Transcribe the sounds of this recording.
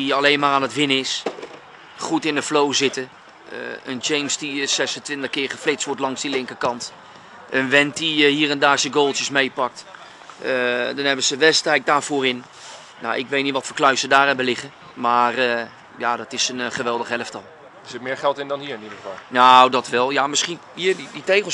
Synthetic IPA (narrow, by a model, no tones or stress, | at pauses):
iɑlejnmaːraːnətʋɪnəɪs | χutɪndəflowzɪtə̰ | ənd͡ʒejmsdissɛsəntʋɪntəχkɪːχəflɪt͡sstʋɔɹtlɑŋsdilɪŋkəkɑnt | ʔənʋɛntdihiːrɛndaːɹsəɡoːlˠtəsmejpɑk̚t | dɔnɦɛbəzəʋɛstɛjk̚daːɹvʊːrɪn | na̰wʔɪ̰kʋejtnitʋɔtfəklœɥsədaːrɦɛbəlɪχə | maːr | jadɔtɪsənχəʋɛlˠdəχɦɛləftɔlˠ | əɹz̥ɪtmɪːɹχɛlˠtɪndɔnhiːɹɪnidəχəfɑ̰lˠnawdɔtʋɛlˠjamɪsχin | iːdiditejχə